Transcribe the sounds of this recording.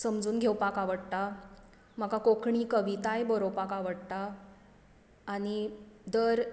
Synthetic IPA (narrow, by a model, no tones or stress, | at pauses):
səmd͡zuːnɡʱewpakaʋəɽt̪a | m̤akakokʰɳiːkəʋit̪ajbəɾowpakaʋəɽt̪a | ɽ̃id̪əɾ